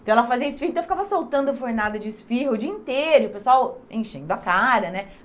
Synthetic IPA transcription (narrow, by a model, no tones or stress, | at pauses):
t̪ɐ̃w̃ɛlɐfaziɐɪsfihĩt̪fikavɐsowt̪ɐ̃nd̪ʊvoɾnad̪ɐd͡ʒɪsfihʊd͡ʒiɐĩnt̪eɾʊpesuawḛ̃ʃẽnd̪ʊɐkaɾɐnɛ